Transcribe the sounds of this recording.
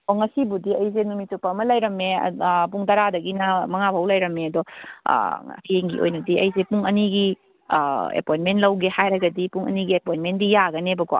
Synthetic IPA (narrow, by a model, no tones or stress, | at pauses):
ɔŋɐsibudiɐjzenumitupɐmɐlɐjɾɐmḛpuŋtaɾadɐɡinɐmɐŋabʱɦɐwlɐjɾɐmeɐdɔ̰ | pieŋɡiʔo̰jnɐdiɐjzepuŋɐniɡḭ | ḛpojnmenlɐwɡehajɾɐɡɐdipuŋɐ̰niɡiepojnmendijaɡɐnebɐɡɔ̰